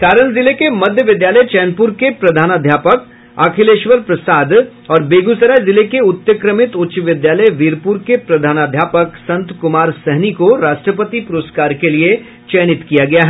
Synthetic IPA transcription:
kaːɾəɽ̃zɪlekemɐd̪ʱjəʋɪd̪jaːləjt͡ʃɛːnpuɾkepɾɐd̪ʱaːnad̪ʱjaːpək | aːkʰɪleːʃʋəɾpɾɐsaːd̪ | ɔːɾbeːɡusəɾajzɪlekeʊt̪jəkɾəmɪt̪ʊtːʃʋɪd̪jaːləjʋiːɾpuɾkepɾɐd̪ʱaːnaːd̪ʱjaːpəksɐ̃nt̪kʊmaːɾsɛɦnikoɾaːʃʈɾəpət̪ipʊɾoːskaːɾkelie | t͡ʃɛːnɪt̪kijaɡɐjaɦɛ

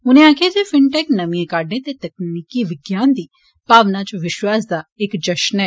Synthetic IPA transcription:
ʊnẽaːkʰed͡ʒefɪɳʈɛːknɐmijẽkaːɖẽt̪et̪ɐknnikiʋɪɡjaːnd̪iː | b̥aːʋnat͡ʃʋɪʃwaːs̬d̪aekd͡ʒɐʃnɛː

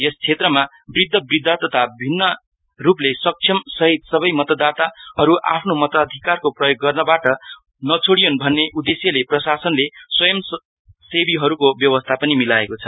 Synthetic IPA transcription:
jest͡sʰet̪rʌma | brid̪ʱːʌbrid̪ʱːat̪ʌt̪ʰabʱinːʌ | ruplesʌk̚t͡sʰjʌmsʌɦit̪sʌbʌjmʌt̪ʌd̪at̪aʌɾuʔa̰pʰnomʌt̪ʌd̪ʱikarkoprʌjoɡːʌrnʌbaʈʌ | nʌt͡sʰoɽijonbʱʌnːeʔud̪esjʌleprʌsasʌnleswʌjʌm | sebiɦʌɾukobjʌwʌst̪ʰapʌnimilaekot͡sʰʌ

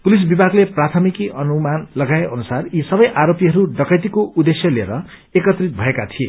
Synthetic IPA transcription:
pulis̬bibʱaɡleprat̪ʰʌmikiʔʌnumanlʌɡaeʔʌnusarisʌbʌjʔaɾopiɦʌɾuɖʌkʌjt̪ikoʔud̪esjʌliḛɾʌ | ekʌt̪rit̪̚bʱʌekat̪ʰiḛ

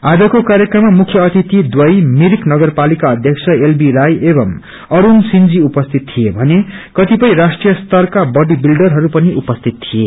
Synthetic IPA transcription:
ad͡zʌkokaɾjʌkrʌmːamukʰjʌːt̪it̪id̪wʌjmiɾiknʌɡʌrpalikaʌd̪ʱjʌksʰʌelbiɾajebʌm | ʌɾunsind͡ziupʌst̪ʰit̪t̪ʰijebʱʌnekʌt̪ipʌj̃ɾasʈrijʌst̪ʌrkabʌɖibilɖʌrɦʌɾupʌniʔupʌst̪ʰit̪t̪ʰije

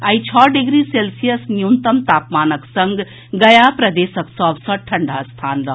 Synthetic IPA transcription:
ɐit͡ʃʰɔːɖiɡɾiseːlsijəsnjunt̪ɐmt̪aːpmaːnəksɐ̃ŋɡ | ɡɐjapɾɐd̪eːsəksɔːbsɐ̃ʈʰɐɳɖast̪ʰaːnɾɐɦ

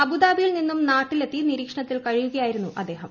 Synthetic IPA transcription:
ɐbud̪aːbijilninːumnaːʈːile̞t̪ːiniɾiːkʂɐɳɐt̪ːilkɐɻijuɣɐjaːjiɾunːuʔɐd̪ːe̞ːɦɐm

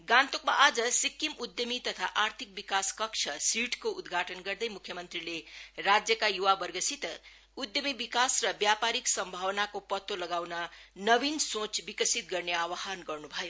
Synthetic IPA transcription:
ɡãnt̪okma̰ʔad͡zʌsikːimud̪jʌmit̪ʌt̪ʰa̰ʔart̪ʰik̚bikaskʌkt͡ʃʰʌsiʈkoud̪ɡʱaʈʌnɡʌrd̪ʌjmukʰjʌmʌnt̪rilerad͡zjʌkajuwabʌrɡʌsit̪ | ud̪jʌmibikasrʌbjapaɾiksʌmbʱawnakopʌt̪ːolʌɡawnʌnʌbinsõt͡sbikʌsit̪̚ɡʌrneawaɦanɡʌrnubʱʌjo

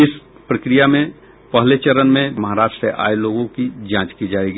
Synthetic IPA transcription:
ɪs | pɾəkɾijamẽ | pəɦlet͡ʃəɾənmẽmɐɦaɾaːʃʈɾseʔa̰ːeloːɡõkid͡ʒãːt͡ʃkid͡ʒaːeɡi

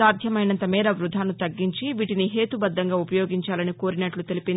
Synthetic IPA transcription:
aːd̪ʱjɐmɐjnɐnt̪ɐmɛːɾɐʋɾud̪ʱaːnut̪ɐɡːiɲt͡ʃiʋiːʈiniɦe̞ːt̪ubɐd̪ːɐŋɡaːupɐjo̞ːɡiɲt͡ʃaːlɐniko̞ːɾinɐʈlut̪e̞lipin

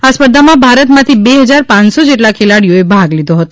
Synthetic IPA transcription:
aspəɾd̪ʱamãbʱaɾət̪mãt̪ʰibeɦəd͡ʒaɾpãnsod͡ʒeʈlakʰelaɽijoebʱaɡlid̪ʱoɦət̪o

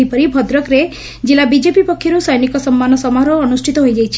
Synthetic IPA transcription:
ipɔɾibʱɔd̪ɾɔkɾe | d͡ʒilabid͡ʒepipɔkʰjɔɾusɔjnikɔsɔmːanɔsɔmaɦɾɔːnusʈʰit̪ɔɦojd͡ʒajt͡ʃʰi̥

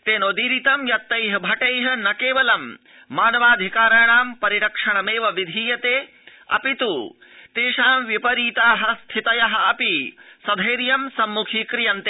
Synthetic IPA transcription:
t̪eːnoːd̪iːɾit̪ɐmjɐt̪ːɐjɦɐbʱɐʈɐjɦɐ̆nɐkeːʋɐlɐmː | aːnɐʋaːd̪ʱikaːɾɐjɳaːmpɐɾiɾɐkʂɐɳɐmeːʋɐʋid̪ʱiːjɐt̪eː | ɐ̰pit̪uː | t̪eːʃaːmʋipɐɾiːt̪aːɦɐst̪ʰit̪ɐjɐɦɐ̆ɐpisɐd̪ʱɐjɾjɐmsɐmːukʰiːkɾijɐnt̪e

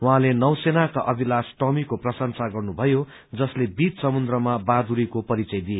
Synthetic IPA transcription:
wɦãlenʌwsenakaʔʌbʱilasʈʌmikoprʌsʌnsaɡʌrnubʱʌjo | d͡zʌslebit̪sʌmund̪rʌmabad̪uɾikopʌɾit͡sʌjd̪ije

